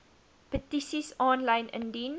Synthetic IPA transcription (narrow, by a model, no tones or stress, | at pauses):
pətisisɔ̃nlãjnə̰̃ndin